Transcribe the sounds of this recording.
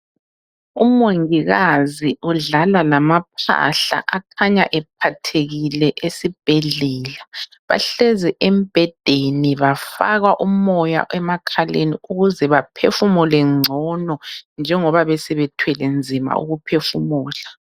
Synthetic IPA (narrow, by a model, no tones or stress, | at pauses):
umoŋiɣaziuɮalalamap̚ʰa̰ɬa̰ʔakʰaɲaʔɛp̚ʰatʰeɣilɛʔesib̥ʱɛɮɛːla | βa̰ɬɛzɛʔem̩b̥ʱɛd̥ʱeniβafaɣaʔumɔja̰ʔɛmakʰalḛniuɣuzɛβapʰefumɔlɛŋ͡ǀʱɔnɔnd͡ʒʱɛŋɔβaβɛsɛβɛtʰwɛlɛnd͡zʱima̰ṵɣupʰefumuːla